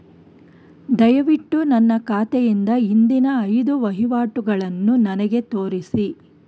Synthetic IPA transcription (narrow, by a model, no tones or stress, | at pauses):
d̪ɐjɐʋiʈːunɐnːɐkaːt̪ɛjind̪ɐind̪inɐːjd̪uʋɐɦiʋaːʈuɡɐɭɐnːunɐnɐɡe̞t̪o̞ːɾisi